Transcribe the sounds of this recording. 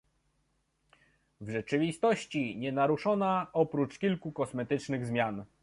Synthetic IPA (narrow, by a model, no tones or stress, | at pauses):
vʐɛt͡ʂɘvʲist̪ɔɕt͡ɕiɲɛnaɾuʂɔnaɔpɾut͡ʂkʲilkukɔsmɛt̪ɘt͡ʂnɘɣzmʲjan